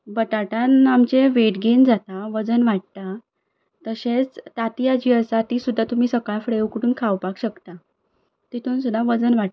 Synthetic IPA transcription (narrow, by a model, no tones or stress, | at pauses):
bət̪aʈanamt͡ɕeʋeʈɡend͡zat̪aʋəd͡zənʋaʈ̚t̪a | t̪əɕet͡st̪at̪ijad͡ʑiʋəsat̪isud̪ʱːat̪um̤iːsəkaɭfɽeukəɽuːnkʰawpakɕəkt̪a | t̪it̪ʰuːnsud̪ʱːaʋəd͡zənʋaʈ̚